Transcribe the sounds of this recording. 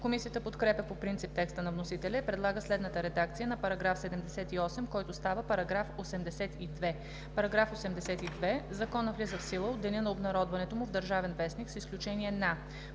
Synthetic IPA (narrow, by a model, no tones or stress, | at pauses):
komisijət̪əpot̪kɾɛpəpopɾint̪ip̚t̪ɛkst̪ənɐvnosit̪ɛlʲɛipɾɛd̪lˠaɡəslɛd̪nət̪əɾɛd̪ak̚t̪sijənɐpɐɾɐɡɾafsɛd̪ɛmd̪ɛsɛt̪iɔsɛmkɔjt̪ʊst̪avəpɐɾɐɡɾafosɛmd̪ɛsɛt̪id̪vɛ | pɐɾɐɡɾafosɛmd̪ɛsɛt̪id̪vɛzɐkɔnəvlʲizəfsilˠəod̪ɛnʲənɐobnɐɾɔd̪vɐnɛt̪omʊvd̪əɾʒavɛnvɛsniksisklʲut͡ʃɛniɛna